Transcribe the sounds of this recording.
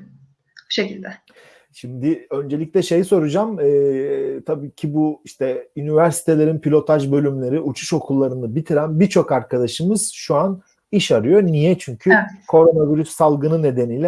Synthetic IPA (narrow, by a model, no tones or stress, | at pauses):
ʃecilʲd̪ɛ | ʃimd̪ɪø̞nd͡ʒe̞lʲicʲlʲɛʃe̞jiso̞ɾud͡ʒamɯːt̪ʰabiːcʰibuiʃt̪ʰɛynivæɾsi̥t̪ʰe̞lʲe̞ɾinpʰilʲo̞t̪ʰaʒbø̞lʲymlʲe̞ɾiʔut͡ʃʰu̥ʃo̞kʰulˠːaɾɯnɯbit̪ʰiɾænbiɾt͡ʃʰo̞kaɾkʰad̪aʃɯmɯz̥ʃuan | iʃaɾɯjo̞nijɛt͡ʃʰyɲcʰykʰo̞ɾo̞naviɾysːalˠɡɯnɯne̞d̪e̞niːlʲɛ